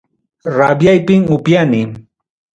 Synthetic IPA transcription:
ɾabjajpɪŋʊpjanɪ

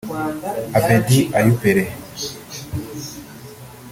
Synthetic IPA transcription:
abediajupeɾe

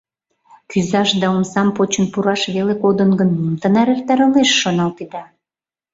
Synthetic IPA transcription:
kyzɑʃd̪ɑomsɑmpot͡ɕə̆npuɾɑʃβelekod̪ənɡənmumt̪ənɑɾert̪ɑɾəleʃːonɑlt̪id̪ɑ

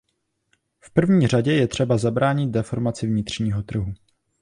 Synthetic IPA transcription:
fpr̩vɲiːr̝aɟɛjɛt̪r̥ɛbazabɾaːɲɪd̪̚dɛfo̞ɾmat͡sɪvɲɪt̪r̝̥ɲiːɦo̞t̪r̩ɦu

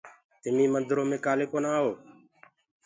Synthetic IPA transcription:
t̪ɪmiːmənd̪ɾoːmẽːkaːleːkoːnaːɦoː

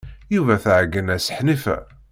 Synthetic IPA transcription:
juvæθʕəɡːənæsə̥ħnifæ̰

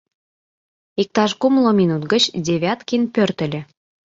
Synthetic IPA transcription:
ik̚t̪ɑʃkumlŏminut̪ɡə̆t͡ɕdʲeβʲɑt̪kinpørt̪ə̆lʲĕ

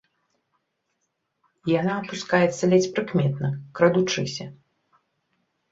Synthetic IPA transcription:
janaːpuskajɛt̪sɐlʲɛt͡sʲpɾɨkmʲɛt̪nɐkɾɐd̪ut͡ʂɨsʲɐ

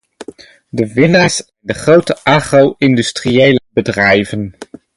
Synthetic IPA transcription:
dəʋɪnaːɹsɛndəχrowtəʔaːχrowɪndystriejləbədrɛjvən

